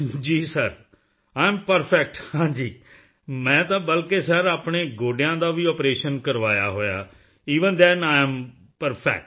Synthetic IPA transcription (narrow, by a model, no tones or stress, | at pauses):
d͡ʒiːsəɾ | aːɪmpəɾpʰɛːk̚ʈhãːd͡ʒiː | mɛ̃ːt̪ãːbəlkeːsɛɾaːpɳeːɡoːɖejãːd̪aːʋiːɔːpɾeːʃənkəɾʋaːja̰ːɦoːja̰ː | iːʋənd̪ɛnaːm | pəɾpʰɛ̰ːk̚ʈ